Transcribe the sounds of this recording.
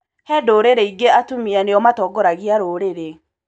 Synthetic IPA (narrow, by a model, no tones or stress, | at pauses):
hɛdoːɾeɾeiɡeatumianeɔmatɔːɡɔɾaɣiaɾoːɾeɾe